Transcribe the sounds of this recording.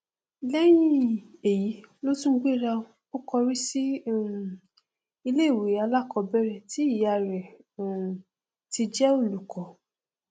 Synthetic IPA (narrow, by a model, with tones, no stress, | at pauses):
i˨lɛ˦j̃ĩ˧˦e˨ji˨˦lo˦tũ˦ɡ͡be˦˨ɾa˧ | o˦kɔ˧ɾi˦si˦˨ | i˧le˦˨we˨˦a˧la˦kɔ˧bɛ˦ɾɛ˦˨ti˨˦i˦˨ja˨ɾɛ˨ | ti˧d͡ʒɛ˦o˦˨lu˨kʰɔ˨˦